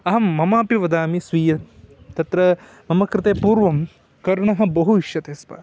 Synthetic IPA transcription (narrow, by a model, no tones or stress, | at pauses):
ɐɦɐmːɐmaːpiʋɐd̪aːmisʋiːjɐ | t̪ɐt̪ɾɐ | mɐmɐkɾɪt̪eːpuːɾʋɐm | kɐɾɳɐɦɐ̆bɐɦuiʃjɐt̪eːspɐ̰